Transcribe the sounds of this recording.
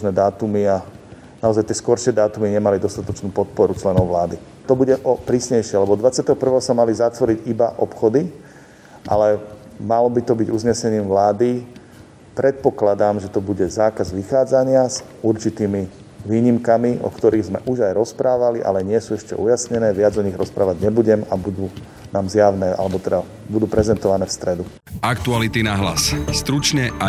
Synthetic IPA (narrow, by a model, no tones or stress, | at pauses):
znɛd̪aːt̪umia | naɔzajt̪ɪɛskɔɾʃɪɛd̪aːt̪umiɲɛmalid̪ɔst̪at̪ɔt͡ʃnuːpɔt̪̚pɔɾut͡ʃlɛnɔʊʋlaːd̪i | t̪ɔbuɟɛʔɔpɾiːsɲɛjʃɪɛalɛbɔɔd̪ʋat͡sɪat̪ɛɦɔpr̩ʋɛːɦɔsamalizat̪ʋɔɾiɟibaʔɔpxɔd̪i | ʔa̰lɛmalɔbit̪ɔbiɟuzɲɛsɛɲiːmʋlaːd̪i | pɾɛt̪̚pɔklad̪aːmʒɛt̪ɔbuɟɛzaːkazʋixaːd͡zaɲɪaz | uɾt͡ʃit̪iːmi | ʋiːɲimkamiʔɔ̰kt̪ɔɾiːɣzmɛ̰ʔuʒajɾɔspɾaːʋaliʔa̰lɛɲɪɛsuːɛʃcɛ̰ʔujasɲɛnɛːʋɪad͡zɔɲiɣɾɔspɾaːʋaɟɲɛbuɟɛmabud̪uː | naːmzjaʊnɛːʔa̰lɛbɔt̪ɛd̪a | bud̪uːpɾɛzɛnt̪ɔʋanɛːfst̪ɾɛd̪u | ʔakt̪ualit̪inaɦla̰sst̪ɾut͡ʃɲɛa